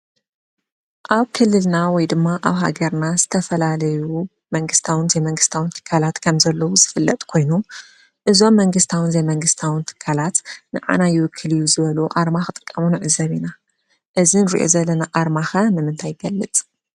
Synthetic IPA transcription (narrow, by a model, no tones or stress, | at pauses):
ʔaβkʰɨlːɨlnawɔjd̪ɨmːaʔaβɦa̰ɡɐɾnazɨt̪ʰɐfɐlalɐju | mɐŋɡɨst̪ʰawɨnzemɐŋɡɨst̪ʰawɨnt̪ʰɨ̥kʰːalat̪kʰɐmzɐlːɐwuz̥ɨfɨlːɐt̪ʼkʰo̞jnu | ʔɨzo̞mːɐŋɡɨst̪ʰawɨnzɐjmɐŋɡɨst̪ʰawɨnt̪ʰɨ̥kʰːalat̪nɨʕa̰najɪwɨkʰːɨlɨjːuzɨβɐluʔaɾmaxɨt̪ʼɨ̥kʼːɐmunɨʕɨzːɐβina | ʔɨzinɨɾḭʔo̞̰zɐlːɐnaʔaɾmaxɐnɨmɨnt̪ʰajɪɡ̥ɐlːɨt͡sʼ